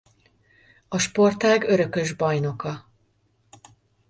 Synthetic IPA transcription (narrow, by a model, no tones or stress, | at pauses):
ɒʃpo̞rt̪aːɡøɾø̞kø̞ʒbɒjno̞kɒ